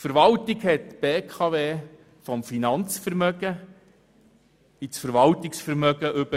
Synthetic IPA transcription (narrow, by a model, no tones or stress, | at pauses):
fəɾʋɑltiɡhɛtb̥eːkʰχɑʋeː | fɔmfinɑnt͡sfəɾmœɡə | it͡sfəɾʋɑltɪksfəɾmœɡəʔʏbə